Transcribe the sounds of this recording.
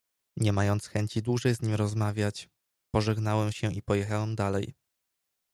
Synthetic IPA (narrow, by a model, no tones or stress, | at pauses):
ɲɛmajɔnt̪sxɛɲt͡ɕid̪wuʐɛjzɲimɾɔzmavʲjat͡ɕ | pɔʐɛɡnawɛmɕɛʔipɔjɛxawɛmd̪alɛj